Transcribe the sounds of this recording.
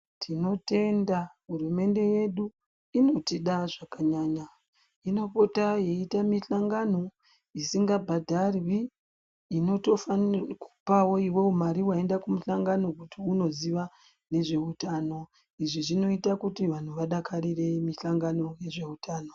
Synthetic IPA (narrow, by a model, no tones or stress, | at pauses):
tʰino̞te̞ndaɦurume̞nde̞je̞ɗu | ino̞tiɗaʐakaɲaːɲa | ino̞po̞taje̞itamiɬaŋɡano̞ | isiŋɡabʱadʱarwiː | no̞to̞faku̥pawo̞iwe̞umaɾiwae̞ndakumuɬaŋɡano̞kutiuno̞ziʋa | ne̞ʐe̞utano̞ | iʐiʐino̞itakutiʋan̤uʋaɗakarire̞miɬaŋɡano̞je̞ʐe̞utʰaːno̞